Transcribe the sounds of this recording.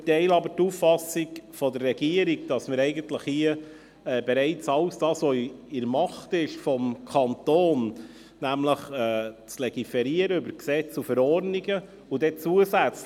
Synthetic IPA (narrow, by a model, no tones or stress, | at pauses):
tɛɪlɑbəɾtuffɑsiɡfɔd̪ərːɛɡ̥iəɾiɡd̥ɑsməɾɛɪɡənt̪ləχhiə | ɛːbɛɾɛɪt͡sɑwsd̥ɑːsʋoɪɾmɑχtɪʃfɔmkʰɑnt̪oːn | næmləχɛːt͡slɛɡ̥ifɛɾiəɾəʏbəɾksɛt͡sufəɾɔrniɡə | ʊd̥̪ɛt͡suəsæt͡s